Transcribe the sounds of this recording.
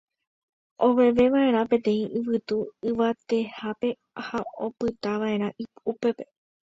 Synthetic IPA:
ʔo̞ʋe̞ʋe̞ʋaʔe̞ɾ̃ãpẽ̞t̪ẽ̞ĩʔɨʋɨt̪uɨʋat̪e̞hape̞ | haopɨt̪aʋaʔẽ̞ɾ̃ãʔipupe̞pe̞̥

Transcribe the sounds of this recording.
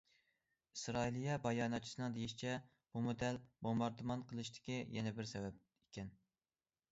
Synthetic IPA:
isɾɑilijɛbɑjɑːnɑt̪̚t͡ʃʰi̥sɨnɨŋd̪ejiʃit͡ʃʰɛ | b̥umod̪ælbomɑɾd̪umɑnqʰəlˠɨʃt̪ʰɪ̥kʲijɛnɛbɪɾsɛvɛb̚ | ekʲɛn

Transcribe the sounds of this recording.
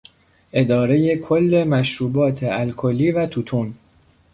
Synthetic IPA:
ʔe̞d̪ɒːɾe̞je̞kʰo̞lːe̞mæʃɾuːbɒːt̪ʰe̞ælkʰolːiːvæt̪ʰut̪ʰuːn

